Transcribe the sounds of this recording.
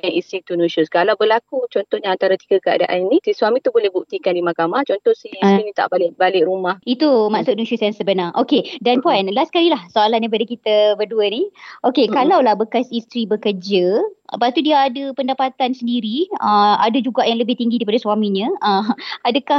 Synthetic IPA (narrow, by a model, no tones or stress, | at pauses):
aisit̪unuʃʊskalawbəlakut͡ʃɔnt̪ɔhɲaːnt̪aɾat̪iɡəkəa̰daʔaninĩsisuwamĩt̪ubolɛhbuk̚t̪ikandimakamaht͡ʃɔnt̪ɔhsihisinĩt̪a̰ʔbalɪʔbalɪʔɾumahit̪umasʊt̪̚nusʊsjaŋsəbənarʔokedanpɔjnlaskaɾilahsoalandaipadakit̪əbəduəniʔokekalawlahbəkasist̪ɾibəkərd͡ʒəpat̪udiaːdəpəndapat̪ansəndiɾiəadəd͡ʒuɡaʔjaŋləbɪht̪iŋɡidaip̬adaswamĩɲə̃əadəkah